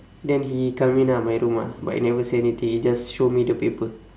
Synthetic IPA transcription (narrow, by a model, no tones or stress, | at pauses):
dɛnɦikaminamajɾumaba̰ʔṵnavəsinit̪ihid͡ʒasʃomidəpipə